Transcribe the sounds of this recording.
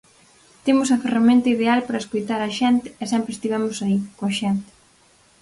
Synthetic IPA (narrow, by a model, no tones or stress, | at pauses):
t̪emʊsɐferamẽnt̪ɐiðealpaɾɐeskojt̪aɾɐʃɛnt̪ɪɛsɛmpɾest̪iβɛmʊsaikoɐʃɛnt̪ɪ̥